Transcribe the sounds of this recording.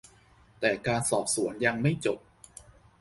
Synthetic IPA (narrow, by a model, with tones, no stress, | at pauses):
t̪ɛː˨˩kaː˧nsɔː˨˩p̚su˩˦ənja˧ŋma˥˩jt͡ɕo˨˩p̚